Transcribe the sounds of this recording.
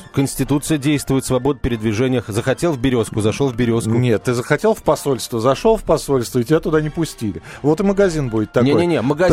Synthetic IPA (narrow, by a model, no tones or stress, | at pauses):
kənʲsʲtʲɪt̪ut̪sɨjədʲejst̪vʊjɪt̪svɐbo̞d̪̚pʲɪɾʲɪd̪vʲɪʐɛnʲɪjəxzəxɐtʲe̞lˠvbʲɪɾʲo̞skʊzɐʂolˠvbʲɪɾʲoskʊnʲet̪ːɨzəxɐtʲe̞lˠfpɐso̞lʲst̪vəzɐʂolˠfpɐso̞lʲst̪vəɪtʲɪbʲat̪ʊd̪anʲɪpʊsʲtʲilʲɪ | vo̞t̪ɨməɡɐzʲinbudʲɪt̪ːɐnʲeojenʲeməɡɐ